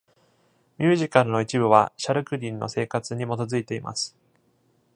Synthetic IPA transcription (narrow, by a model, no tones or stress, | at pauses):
mʲɨːʑikaɾɯ̟no̞it͡ɕibɯ̟βaɕaɾɯ̟kɯ̟ɾʲĩnːo̰se̞ːkat͡sɨɲ̟imo̞t̪o̞zɨit̪e̞imʔa̰sɨ̥